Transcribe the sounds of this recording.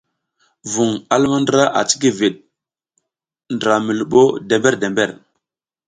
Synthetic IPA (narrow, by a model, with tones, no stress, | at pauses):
vu˨ŋa˦lma˦ndɾa˦ʔa̰˨t͡si̥˦ki˦vi˨ɗ̚ | ndɾa˨mi˨lu˨ɓo˦de˨mbe˦ɾde˨mbe˦˨ɾ